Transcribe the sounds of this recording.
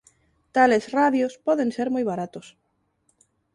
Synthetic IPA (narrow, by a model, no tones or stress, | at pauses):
t̪alesraðjospoðenseɾmojβaɾat̪os